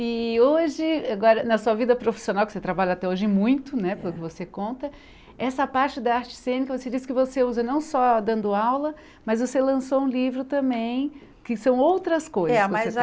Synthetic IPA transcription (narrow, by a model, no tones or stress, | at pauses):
ɪoʒɪaɡɔɾɐnɐsuɐvid̪ɐpɾofi̥sionawkɪ̥set̪ɾabaʎɐat̪ɛoʒɪɪ̃mũj̃t̪ʊnɛpelʊkɪvosekõnt̪ɐ | ɛsɐpaɾt͡ʃɪd̪ɐaɾt͡ʃɪ̥sẽnikɐvosed͡ʒiskɪvoseuzɐnɐ̃w̃sɔd̪ɐ̃nd̪ʊawlɐ | mɐzvoselɐ̃soũlivɾʊt̪ɐ̃mbẽj̃ | kɪsɐ̃w̃owt̪ɾɐskojzzɛse